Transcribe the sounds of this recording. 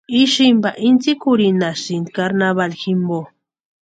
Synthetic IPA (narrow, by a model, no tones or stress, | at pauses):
iʃimbaʔint͡sikuɾinaʃind̪kaɾnaβalximbo